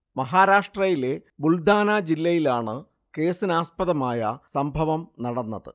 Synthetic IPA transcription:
mɐɦaːɾaːʂʈrɐjile̞buld̪ʱaːnaːd͡ʑilːɐjilaːɳɨ | ke̞ːsinaːspɐðɐmaːjɐsɐmbʱɐʋɐmnɐɽɐnːɐðɨ̰

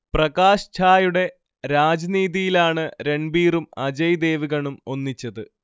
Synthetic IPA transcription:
prɐɣaːɕt͡ɕʰaːjuɽe̞ | ɾaːd͡ʑɐniːðijilaːɳɨɾe̞ɳbiːrumɐd͡ʑɐjd̪e̞ːʋiɣɐɳumo̞nːit͡ɕːɐðɨ

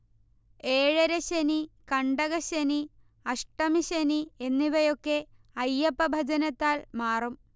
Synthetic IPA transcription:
eːɻɐɾɐɕɐnikɐɳɖɐɣɐɕɐni | ɐʂʈɐmiɕɐnienːiʋɐjo̞kːe̞ | ɐjːɐpːɐbʱɐd͡ʑɐnɐt̪ːaːlmaːrum

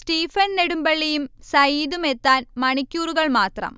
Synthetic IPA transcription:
sʈiːfɐnneɽumbɐɭːejumsɐjiːðume̞t̪ːaːnmɐɳikʲːuːruɣɐɭmaːt̪rɐ̰m

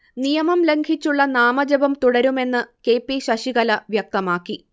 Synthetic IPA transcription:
nijɐmɐmleŋɡʱit͡ɕːuɭːɐnaːmɐd͡ʑɐbɐmt̪uɽɐɾume̞nːɨke̞ːpːiɕɐɕiɣɐlɐʋjɐk̚t̪ɐmaːkːi

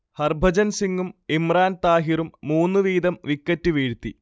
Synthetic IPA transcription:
hɐrbʱɐd͡ʑɐnsiŋɡumimraːnt̪aːɦirumːuːnːuʋiːd̪ɐmʋikːɐtːuʋiːɻt̪ːi

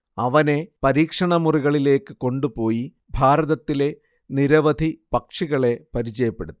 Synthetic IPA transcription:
ɐʋɐne̞pɐɾiːkʂɐɳɐmuriɣɐɭile̞ːkːɨko̞ɳɖupo̞ːji | bʱaːɾɐðɐt̪ːile̞ | niɾɐʋɐd̪ʱipɐkʂiɣɐɭe̞pɐɾit͡ɕɐjɐpːe̞ɽut̪ːu

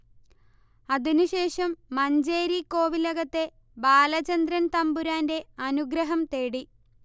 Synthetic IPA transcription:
ɐðinuɕe̞ːʂɐmːɐɲd͡ʑe̞ːɾikːo̞ːʋilɐɣɐt̪ːe̞ | baːlɐt͡ɕɐnd̪ɾɐnt̪ɐmbuɾaːnde̞ɐnuɡɾɐɦɐmt̪e̞ːɽi

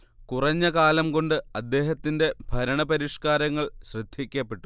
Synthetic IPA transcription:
kurɐɲːɐkaːlɐmko̞ɳɖɨɐd̪ːe̞ːɦɐt̪ːinde̞bʱɐɾɐɳɐpɐɾiʂkaːɾɐŋːɐɭɕrɨd̪ʱikʲːɐpːeʈːu

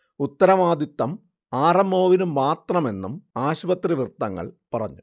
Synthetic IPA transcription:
ut̪ːɐɾɐʋaːd̪it̪ːɐm | aːrɐmo̞ːʋinumːaːt̪rɐme̞nːumaːɕbɐt̪riʋrt̪ːɐŋːɐ̰ɭpɐrɐ̰ɲːu

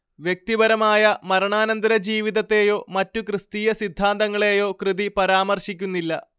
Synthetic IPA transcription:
ʋjek̚t̪ibɐɾɐmaːjɐmɐɾɐɳaːnɐnd̪ɐɾɐd͡ʑiːʋiðɐt̪ːe̞ːjo̞ːmɐtːukrɨst̪iːjɐsid̪ʱːaːnd̪ɐŋːɐɭe̞ːjo̞ːkrɨðipɐɾaːmɐrɕikʲːunːilːɐ

